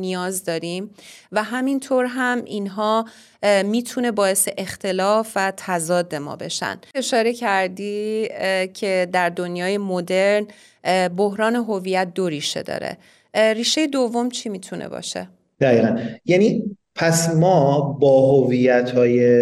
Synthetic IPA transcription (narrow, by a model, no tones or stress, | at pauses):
nijɒːzd̪ɒːɾimvæɦæmint̪ʰoɾɦæmʔinɦɒː | miːt̪ʰune̞bɒːe̞se̞ʔext̪ʰe̞lɒːfvæt̪ʰæzɒːd̪ːe̞mɒ̰ːbe̞̰ʃæ̰ne̞ʃɒːɾe̞cʰæɾd̪iː | cʰe̞d̪æɾd̪onjɒːje̞mod̪e̞ɾn | bohɾɒːne̞ɦo̞viːjæt̪̚ʰd̪oɾiːʃe̞̰d̪ɒ̰ːɾḛ | riːʃe̞jed̪ovːo̞mt͡ʃʰimiːt̪ʰunʔḛbɒ̰ːʃe̞̰ | d̪̥æiːɣænjæni | pʰæsmɒːbɒːɦovijæt̪ʰɒːje